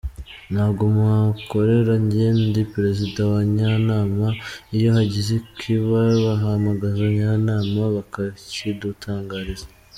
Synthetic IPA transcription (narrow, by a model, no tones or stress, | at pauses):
nhaːɡomaako̞ɾe̞ɾaɲɟeendipɾe̞zidawaɲanaːmaijo̞ɦaɟizekiβaβaɦamaɡazaɲanaːmaβakacidutʰaːŋɡaːɾiza